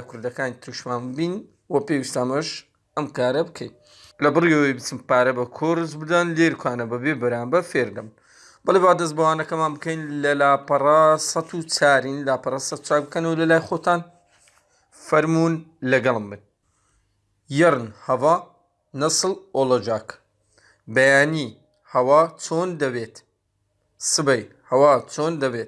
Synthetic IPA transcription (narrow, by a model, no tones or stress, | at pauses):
akʰʊɾd̪ɐkaːnit̪ɾɨʃmaːnbin | wɐpeːwist̪ɐmɐʃ | ɐmkaːɾɐbɨkʰḛjn | lɐbɨriɐwjbɨt͡sɨmpaːɾɐbɐkʰorɨzbɨd̪ɐnleɾkʰʷwaːnɐbɐbeːbɐɾaːmbɐɾfeːɾd̪ɐm | b̥ɐlewaːd̪ɐs̬t̪bɐwaːnɐkɐmaːnbɨkɐjnlɐlaːpɐrɑsɐt̪ʰut͡sʰaːɾiːnlaːpɐɾˤɑsɐt̪u̥t͡saːkbɨkɐnwlɐlaːjxot̪aːn | fɐɾmuːnlɐɡɐlˠɨmbɨn | jɐɾɨnhɐvaː | nɐsɨloːlˠɐd͡ʒaːk | bɐjaːniː | hɐwaːt͡sʰoːnd̪ɐbeːt̪ | sɨbɐj | hɐwaːt͡sʰoːnd̪ɐbet̪̚